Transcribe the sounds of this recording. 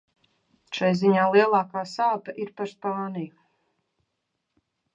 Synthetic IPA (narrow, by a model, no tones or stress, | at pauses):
ʃajziɲaːlˠiɛlˠɑːkaːsaːp̪aʔiɾpaɾspaːniju